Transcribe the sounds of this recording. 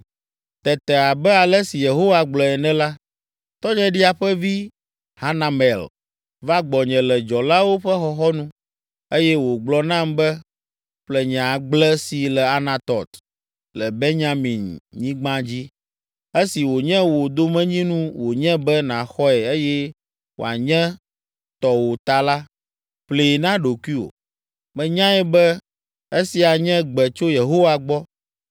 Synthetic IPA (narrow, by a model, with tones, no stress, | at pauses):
t̪ɛ˨t̪ɛ˨a˨bɛ˦a˨lɛ˦si˨je˨ɦo˦wa˨ɡ͡blɔ˨ɛ˨nɛ̃˦la˦ | t̪ɔ˦ɲɛ̃˦ɖi˦a˨ɸɛ˦vi˦ | ha˦na˨mɛ˨l | va˦ɡ͡bɔ˨ɲɛ̃˨lɛ˨d͡ʒɔ˨la˦wo˦ɸɛ˦xɔ˦xɔ˦nũ˦ | e˦jɛ˦wo˨ɡ͡blɔ˦nã˦mbɛ˦ | ɸlɛ˦ɲã˨ɡ͡blɛ˦si˨lɛ˨a˨nã˨t̪ɔ˨t̪ | lɛ˨be˦ɲã˦mĩ˨nɲĩ˦ɡ͡bã˦d͡ʑi˦ | e˦si˨wo˨ɲɛ̃˦wo˨d̪o˦mɛ̃˦ɲĩ˦nũ˦wo˨ɲɛ̃˦bɛ˦nã˨xɔ˦ɛ˨e˦jɛ˦ | wo̰˨a˨ɲɛ̃˦ | t̪ɔ˨wo˨t̪a˨la˦ | ɸle˦˨nã˦ɖo˨ku˦i˦o̰˨ | mɛ̃˨ɲã˦ɛ˦bɛ˦ | e˦si˨a˨ɲɛ̃˦ɡ͡bɛ˨t͡ʃo˦je˨ɦo˦wa˨ɡ͡bɔ˦